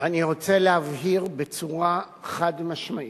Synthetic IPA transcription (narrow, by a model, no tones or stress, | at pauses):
aniʁo̞t͡selehavɦiʁbet͡suʁa | χadmaʃmai